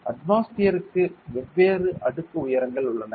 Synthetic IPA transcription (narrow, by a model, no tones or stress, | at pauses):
ʔɐ̰ʈʋaːsʈijɐɾɯkːɯʋɛʋːeːrɯʔɐɽɯkːɯʊjɐɾɐŋɡɐɭʊɭːɐnɐ